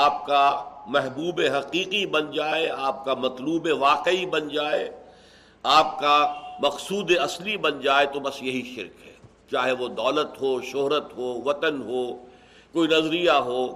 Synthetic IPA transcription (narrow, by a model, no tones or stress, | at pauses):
aːp̚kamɛɦbuːbeɦɐqiːqibɐnd͡ʒaːeaːp̚kamɐt̪luːbeʋaːqibɐnd͡ʒaːḛ | aːp̚kamɐqsuːd̪eɐslibɐnd͡ʒaːet̪obɐsjɐɦiʃɪ̰ɾkɦɛ̰ː | t͡ʃaːɦeʋod̪ɔːlət̪ɦoːʃoɦɾət̪ɦoːʋɐt̪ənɦoː | koːinɐzɾijaɦoː